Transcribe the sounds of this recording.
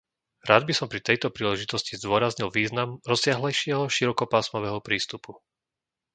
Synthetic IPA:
ɾaːd̪̚bisɔmpɾit̪ɛjt̪ɔpɾiːlɛʒit̪ɔscizd̪ʊɔɾazɲilʋiːznamɾɔsɪaɦlɛjʃɪɛɦɔʃiɾɔkɔpaːsmɔʋɛɦɔpɾiːst̪upu

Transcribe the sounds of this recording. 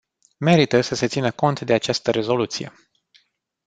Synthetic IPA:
me̞ɾit̪əsəse̞t̪sinəko̞nt̪d̪e̞at͡ʃast̪əɾe̞zo̞lut̪sije̞̰

